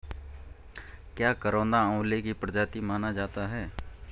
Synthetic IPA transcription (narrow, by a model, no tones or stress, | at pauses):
kjaːkəɾõːnd̪aõːlekipɾəd͡ʒaːt̪imaːnad͡ʒaːt̪aɦɛː